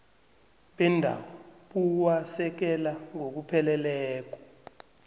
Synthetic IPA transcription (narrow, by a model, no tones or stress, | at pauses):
ɓɛndʱa̰wɔɓuwasɛk̬ɛlaŋok̬upʰɛlɛlɛːk̬ɔ̥